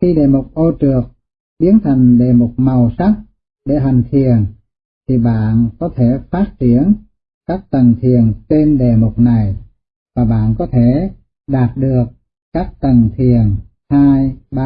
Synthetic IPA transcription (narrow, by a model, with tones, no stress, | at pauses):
xi˧ɗe˧˨˩mu˨˩k͡p̚ʔo˧t͡ɕɨ˨˩ək̚ | ɓi˨˦ənt̪ʰa˨˩jŋ̟ɗe˧˩mo˨˩k͡p̚ma˨˩wsa˦˥t̚ | ɗe˧˩ɦa˨˩jŋ̟t̪ʰi˨˩ən | t̪ʰi˨˩ɓa̰ː˧˨nkɔ˨˦t̪ʰe˧˩faː˦˥t̚t͡ɕi˧˩ən | kaː˦˥k̚t̪ə˨˩nt̪ʰi˨˩ənt͡ɕe˧nɗe˨˩mʊ˨˩k͡p̚na˨˩j | vaː˨˩ɓa̰ː˧˨nkɔ˨˦t̪ʰe˧˨ | ɗaː˨˩t̚ɗɨ˨˩ək̚ | kaː˦˥k̚t̪ə˨˩nt̪ʰi˨˩ən | haː˧jɓa˧